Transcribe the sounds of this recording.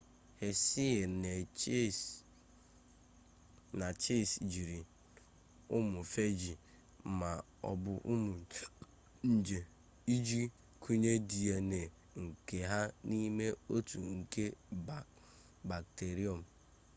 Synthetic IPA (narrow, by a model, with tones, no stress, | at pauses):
he˨si˦e˨ne˨˦ | na˨t͡ʃe˦˨sd͡ʒi˨ɾi˨ | ʊ˦mʊ˨fe˦d͡ʒi˨ | ma˨ | ɔ̰˨bʊ˨ʔʊ˦mʊ˨ | n̩˨d͡ʒe˨ | i˦d͡ʒi˦ | kʰu˦ɲe˦di˨e˨ne˨ | ŋ̩˨ke˨ɦa˦ni˦me˦o˦tu˨ŋ̩˨ke˦ | ba˨k̚te˨ɾi˦ɔ˨m̩˨